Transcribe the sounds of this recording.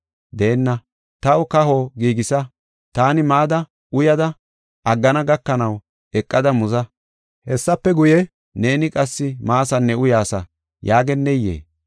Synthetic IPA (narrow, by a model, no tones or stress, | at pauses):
d̪eːnːɐ | t̪ɐwʊkɐɦo̞ːɡiːɡɪsɐ | t̪aːnɪmaːd̪ɐ | ʔʊjɐd̪ɐ | ʔɐɡːɐnɐɡɐkːɐnɐw | ɛkʼːɐd̪ɐmʊzɐ | hɛsːɐpːɛɡʊjɛ | ne̞ːnɪkʼɐsːɪmaːsɐnːɛʊjaːsɐ | jaːɡɛnːɛjːḛː